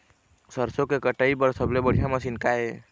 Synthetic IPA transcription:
səɾsokekəʈəipəɾsəblebəɽ̤ijaməsinkae

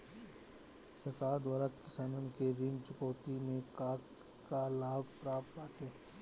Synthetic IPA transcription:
sɐkaːɾd̪waːɾakɪsaːnənkeɾɪ̃ŋɡt͡ʃʊkɔːt̪imẽkaːkː | alaːbpɾaːpt̪baːʈʰẽː

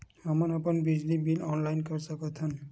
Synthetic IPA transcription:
amanapɔnbid͡ʒnibilɔnlajnkɔɹsakɔt̪ʰɔn

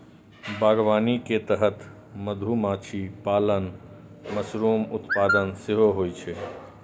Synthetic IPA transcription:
baːɡʋaːniket̪əɦət̪ | məd̪ʱumaːt͡ʃʰipaːlən | məsɾuːmʊt̪paːd̪ənseɦoɦojt͡ʃʰe

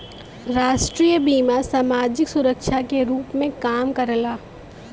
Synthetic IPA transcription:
ɾaːʃʈɾiːjəbiːmasaːmaːd͡ʒɪksʊɾəkʃakeɾuːpmẽkaːmkɐɾəlaː

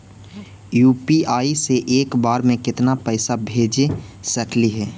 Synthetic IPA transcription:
juːpiaːiseʔeːkbaːɾmẽkɪt̪napəɪsabʱeːd͡ʒesɐkliɦɛː

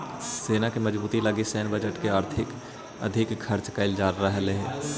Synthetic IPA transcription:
seːnakemɐd͡ʒbuːt̪ilaɡisɛːnbəd͡ʒəʈkeaːɾt̪ʰɪk | ɐ̰d̪ʱɪkkʰːɐɾt͡ʃkaɪld͡ʒaːɾːəɦleɦɛː

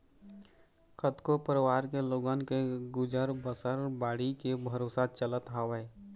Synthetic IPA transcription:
kət̪kopəɾwaːɾkeloːɡənkeɡʊd͡ʒəɾbəsəɾbaːɽikebʱəɾoːsat͡ʃələt̪ɦaʋɛː

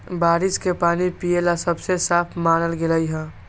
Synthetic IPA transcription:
baɾiskepanipielasəbsesapʰmanəlɡeləjɦə̃

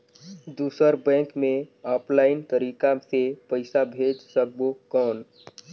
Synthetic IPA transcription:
d̪usəɾbɛ̃ŋkmeɔːpʰlaɪnt̪əɾikasepəɪsabʱed͡ʒsək̚bokɔːn

